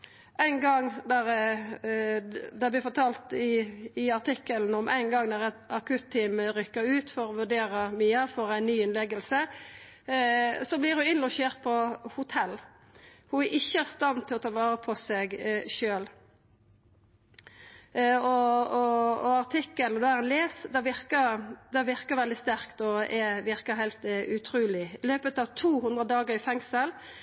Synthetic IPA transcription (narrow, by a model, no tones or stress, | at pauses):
ʔæɪnɡɑŋd̪æɾ | d̪ɛblɪfɔʁt̪ʰɑːlt̪ɪːɑʁt̪ɪkːəln̩ɔmʔæ̰ɪnɡɑŋd̪æʁɛt̪ɑkʰʉt̪ʰːiːmɾʏkːəɾʉːt̪fɔɾɔʋʉʁɖ̪eːɾəmyːəfɔɾæɪnːyːɪnlɛɡəlsə | sɔblɪɾhʊɪnlɑʃeːʁt̪̚pʰɔhʊt̪ʰɛlː | hʊʔɪçːəæʁst̪ɑnt̪ʰɪlɔt̪ʰɑːʋɑːɾəpʰɔsɛɡʃøːl | ɔɔɔɑʁt̪ʰɪkːəlnd̪ɛæɛnleːsd̪ɛʋɪɾkəd̪ɛʋɪʁkəʋɛld̪ɪst̪æʁkt̪ɔɛʋɪʁkəɾɦæɪlt̪ʉt̪ʰɾuːlɪɪløːpət̪ɑʋt̪ʰuːhʉnd̪ʁəd̪ɑːɡəɾɪfɛŋsəl